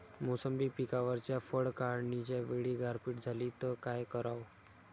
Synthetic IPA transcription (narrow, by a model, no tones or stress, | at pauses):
mosəmbipikaʋəɾt͡ɕjafəɽkaɾɳit͡ɕjaʋeɭiːɡʱaɾpiːʈd͡zʱaliːt̪əkajkəɾaw